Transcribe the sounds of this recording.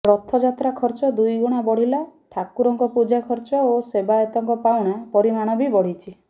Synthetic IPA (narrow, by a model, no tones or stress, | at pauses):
ɾɔt̪ʰːɔd͡ʒat̪ɾakʰɔɾt͡ʃɔd̪ujɡuɽ̃abɔɽ̤ilaʈʰakuɾɔŋkɔpud͡ʒakʰɔɾt͡ʃɔosebaɔt̪ɔŋkɔpawɽ̃apɔɾimaɽ̃ɔbibɔɽit͡ʃʰi